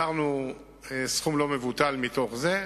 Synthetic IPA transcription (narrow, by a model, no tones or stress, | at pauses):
aʁnu | esχumlo̞me̞vut̪almit̪o̞χze